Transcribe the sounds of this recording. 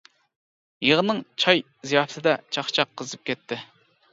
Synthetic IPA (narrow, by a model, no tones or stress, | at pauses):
jeʁənɨŋt͡ʃʰɑj | zijɑpt̪ʰɨd̪ɛt͡ʃʰɑχt͡ʃʰɑqʰːəzɨp̚kʲʰɛt̪ʰːɪ